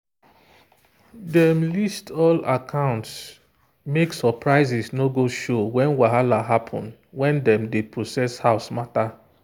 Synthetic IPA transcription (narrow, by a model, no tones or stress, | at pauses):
dɛmlistʰɔlakʰãʊ̃nts | meksɔpʰɹaɪzisnoɡoʃowɛ̃nwaɦalaɦapʰɔ̰̃n | wɛ̃ndɛ̃mdepʰɹosɛshaʊsmata